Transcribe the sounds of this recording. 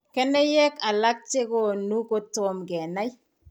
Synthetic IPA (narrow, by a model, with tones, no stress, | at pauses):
kɛ˦nɛ˦jɛ˦ka˨la˦k̚t͡ʃe˦ko˨nu˦ko˦tɔ˨mɡɛ˨na˦j